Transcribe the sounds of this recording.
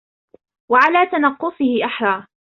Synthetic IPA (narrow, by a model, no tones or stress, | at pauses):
waʕalaːt̪anɑqːʊsˤɨhɪʔaħɾˤɑː